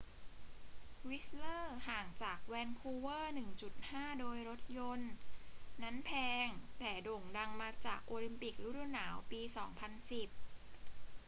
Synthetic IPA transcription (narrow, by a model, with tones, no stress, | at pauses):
wi˦˥slɤː˥˩haː˨˩ŋt͡ɕaː˨˩k̚wɛː˧nkʰuː˧wɤː˥˩nɯ˨˩ŋt͡ɕu˨˩t̪̚haː˥˩doː˧jɾo˦˥t̪̚jo˧nː | a˦˥npʰɛː˧ŋt̪ɛː˨˩do˨˩ŋda˧ŋmaː˧t͡ɕaː˨˩k̚ʔoː˧li˧mpi˨˩k̚lu˦˥ɾu˧˩naː˩˦wpiː˧sɔː˩˦ŋpʰa˧nsi˨˩p̚